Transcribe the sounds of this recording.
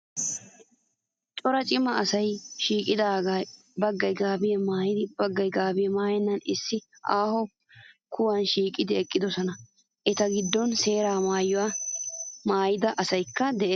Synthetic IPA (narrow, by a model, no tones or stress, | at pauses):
t͡ʃʼɔɾɐt͡ʃʼɪmɐːsɐjʃiːkʼɪd̪aːɡaj | bɐɡːɐjɡaːbɪjɛmaːjɪd̪ɪb̥ɐɡːɐjɡaːbɪjɛmaːjɛnːɐnɪsːɪʔaːhɔ | kʰʊwɐnʃiːkʼɪd̪ɪɛkʼːɪd̪ɔsɔnɐ | ʔɛt̪ɐɡɪd̪ːɔnse̞ːɾaːmaːjːɔwa | maːjɪd̪ɐʔɐsɐjkːɐd̪ɛʔe